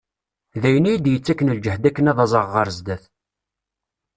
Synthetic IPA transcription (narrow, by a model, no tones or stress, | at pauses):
ðæjənijid̪jət͡sːækːənəld͡ʒəhd̪ækːənæðɑzˤəʁːəɾzd̪æθ